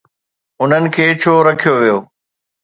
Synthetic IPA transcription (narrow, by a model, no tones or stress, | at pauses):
ʊn̤ənɪ̆kʰeːt͡ɕʰoːɾɐkʰijoʋijoː